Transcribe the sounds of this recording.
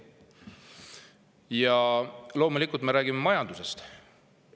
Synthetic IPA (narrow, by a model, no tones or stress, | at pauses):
jɑlo̞ːmulikːˑult̪me̞ɾæːɡ̥ime̞mɑjɑnd̪use̞st̪